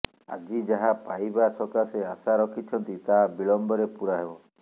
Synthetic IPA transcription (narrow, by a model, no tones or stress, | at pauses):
a̰d͡ʒid͡ʒaɦapajbasɔkaseasaɾɔkʰit͡ʃʰɔnt̪it̪abilɔmbɔɾepuɾaɦebɔ